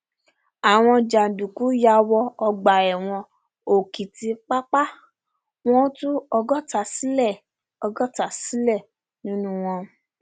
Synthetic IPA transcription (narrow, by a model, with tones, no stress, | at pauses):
a˨w̃ɔ̃˧d͡ʒa˨n̩˨dũ˨ku˨˦ja˧wɔ˧ɔ˧ɡ͡ba˨ɛ˨w̃ɔ̃˧ | o˨ki˨ti˧k͡pa˦k͡pa˦ | w̃ɔ̃˦tu˦ɔ˧ɡɔ˦ta˧˨si˦lɛ˦˨ | ɔ˧ɡɔ˦ta˨si˦lɛ˦˨ | nĩ˨˦nũ˦w̃ɔ̃˧